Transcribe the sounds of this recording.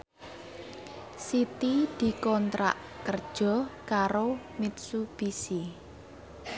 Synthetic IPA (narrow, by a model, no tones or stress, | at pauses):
sit̪id̪̥i̤kɔnt̪ɾa̰ʔ | kərd̥ʒ̥ɔ̤kaɾo | mit̪̚sub̥isi